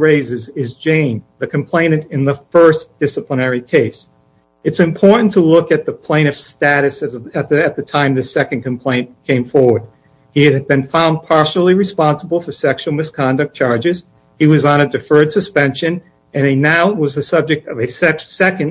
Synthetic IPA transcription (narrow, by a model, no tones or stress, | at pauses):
ɹeɪzɨzɪzd͡ʒẽɪ̃nðɨkʰɨ̃m̩pʰl̥ẽɪ̃nɨ̃ntɨ̃nðəfɜ˞sd̥ɪsəplənɛɹikʰeɪs | ɨtsɨ̃mpʰɔɹʔn̩tʰəlʊkɨt̪̚ðəpʰl̥ẽɪ̃nʌv̥stæɾɨsɨɨt̪̚ðɨɨt̪̚ðɨtʰãɪ̃mðɨsɛkɨ̃nkʰɨ̃m̩pʰl̥ẽɪ̃nkʰẽɪ̃ɱfɔɹwə˞d̚ | iɨɾ̚bɨ̃nfãʊ̃n̚pʰɑɹʃl̩ˠiɹɨspɑ̃nsəbl̩ˠfə˞sɛkʃul̩ˠmɨskʰɑ̃ndɨk̚t͡ʃʰɑɹd͡ʒɨz̥ | iwʌzɑnəɨ˞d̚tɨfɜ˞d̥sɨspɛ̃nʃɨ̃n | ɨ̃nɨnaʊwʌzðɨsʌb̚d͡ʒɨk̚tʌvɨsɛsɛkɨ̃n